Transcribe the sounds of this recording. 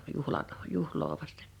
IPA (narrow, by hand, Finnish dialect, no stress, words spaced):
juhlɑn̥ juhloː ʋɑste̥n̥